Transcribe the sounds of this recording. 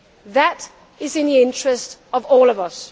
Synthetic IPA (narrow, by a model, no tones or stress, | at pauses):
ðəɾ | ɪzɨ̃nðiɪ̃nt͡ʃɹ̥ɨstʌvɔːlˠʌvʌs